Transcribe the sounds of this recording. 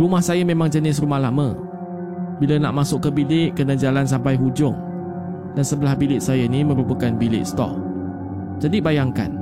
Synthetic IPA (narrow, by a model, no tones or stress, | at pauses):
rumahsajəmẽmaŋd͡ʒənɪs̬rumahlamə | bilanaʔmasʊkːəbilɪʔkənad͡ʒalans̬ampajɦud͡ʒʊŋ | dansəbəlahbilɪʔsajənimə̃ɾupəkanbilɪ̰ʔst̪ɔ̰ʔ̚ | d͡ʒadibajaŋka̰n